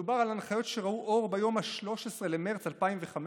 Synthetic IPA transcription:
ubaʁalanχajo̞tʃeʁauʔo̞ʁbajo̞mhaʃlo̞ʃesʁele̞meʁt͡salpaimveχam

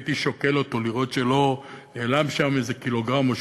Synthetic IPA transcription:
t̪iʃoke̞lo̞to̞liʁo̞tʃelo̞neːlamʃamezekilo̞ɡʁamoʃ

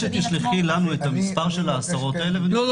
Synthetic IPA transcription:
et̪iʃliχilanuet̪amispaʁʃe̞laːsaʁo̞t̪aele̞ve

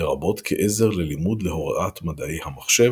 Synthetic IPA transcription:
eʁabo̞t̪kʰeʔeze̞ʁlelimud̪leɦo̞ʁa̰ʔatmad̪aejhamaχʃe̞

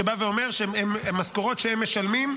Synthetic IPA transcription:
ebaveo̞meʁʃeememːaskoʁo̞tʃeemːeʃalmim

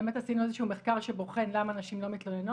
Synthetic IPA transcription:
emet̪asinuezeʃuːmeχkaʁʃeboχe̞nlamaːnaʃimlo̞mit̪loneno

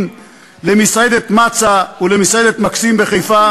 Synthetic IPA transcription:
lemisaed̪et̪mat͡saulemisaed̪et̪maksimbe̞χejfa

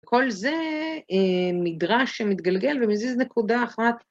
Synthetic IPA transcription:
ko̞lze̞emid̪ʁaʃːemit̪ɡalɡe̞lvemiziznekud̪aːχnat̪

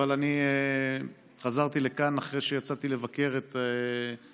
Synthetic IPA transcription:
alanie | χazaʁt̪ile̞kanaχʁejʃejat͡sat̪ile̞vake̞ʁet̪e

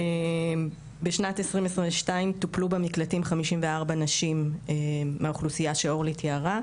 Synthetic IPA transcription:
e | beʃnatesʁimesʁeveʃtaimtuplubamiklatimχamiʃimveaʁbanaʃimeːeauχlusijaʃeo̞ʁlitʰjaʁa

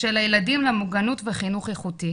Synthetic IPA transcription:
elajeladimlamuɡanutveχinuχeχuti

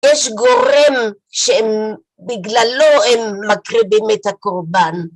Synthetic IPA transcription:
jeʃɡo̞ʁem | ʃeem | biɡlaloemːakʁibemethakoʁban

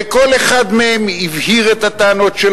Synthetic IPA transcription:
ko̞leχad̪mehemivhiʁet̪at̪aːno̞tʃel

